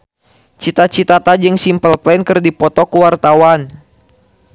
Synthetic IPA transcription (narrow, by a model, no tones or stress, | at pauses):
t͡ʃit̪at͡ʃit̪at̪ad͡ʒɨŋsimpəlplɛnkɨrdipɔt̪ɔkuwart̪awan